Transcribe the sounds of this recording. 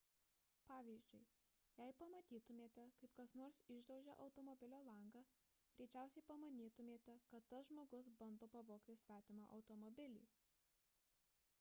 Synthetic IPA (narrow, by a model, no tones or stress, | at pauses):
pɑːʋʲiːzʲd͡ʒʲʊɪ | jɛɪpɐmɐt̪ʲiːt̪ʊmʲeːt̪ʲɛkɐɪpkɐsnoːɾsɪʒd̪ɐʊʒʲɛ̰ʔɒʊt̪oːmɔbʲɪlʲoːlˠɐŋɡɑː | ɡ̥ɾʲɛɪt͡ʃʲæˑʊsʲɛɪpɐmɐnʲiːt̪ʊmʲeːt̪ʲɛkɐt̪ːɐsʒmoːɡʊsbɐnd̪oːpɐʋoːkt̪ʲɪsʲʋʲæːt̪ʲɪmɑʔɐʊt̪ɔmɔbʲɪlʲḭː